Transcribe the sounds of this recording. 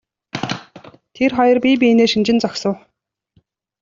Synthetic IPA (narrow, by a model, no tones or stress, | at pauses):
t̪ʰerχɔjɞ̆rpʲip̬ʲieneːʃint͡ɕɪ̆nt͡sɔksə̆w